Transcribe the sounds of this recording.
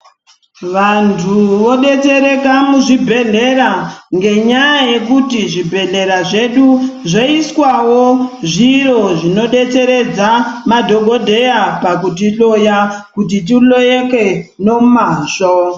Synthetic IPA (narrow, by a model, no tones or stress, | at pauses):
ʋantʰuʋo̞ɗe̞te̞ɾe̞kamuʐibʱe̞ɮe̞ɾaŋɡe̞ɲajaje̞kutiʐibʱe̞ɮe̞ɾaʐe̞ɗuʐoiswawo̞ʐiɾo̞ʐino̞ɗe̞t͡se̞ɾe̞d͡zamadʱo̞ɡʱo̞dʱe̞japakut̬ilo̞jakutit̬ilojeke̞no̞maːʐo